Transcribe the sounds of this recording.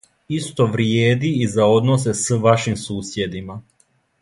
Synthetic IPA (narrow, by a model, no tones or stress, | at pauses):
ist̪oʋɾjeːd̪iːzao̞d̪nos̬esʋaʃimsuːsjed̪ima